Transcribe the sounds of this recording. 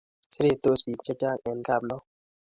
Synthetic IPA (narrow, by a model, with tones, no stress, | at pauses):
sɪ˦ɾe˦t̪o˦sbi˨t͡ʃɛ˦t͡ʃa˦ɛ˨nka˦˨blɔ˦